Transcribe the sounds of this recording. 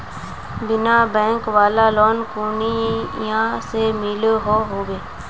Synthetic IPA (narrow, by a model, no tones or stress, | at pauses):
bɪnabɛ̃ːŋkʋaːlaloːnkuːnijãːsemɪlɦoːɦoːɡeː